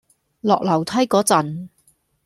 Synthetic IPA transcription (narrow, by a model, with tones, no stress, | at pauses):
lɔː˨k̚lɐ˨˩wt̪ʰɐ˥jkɔː˨˥t͡sɐ˨n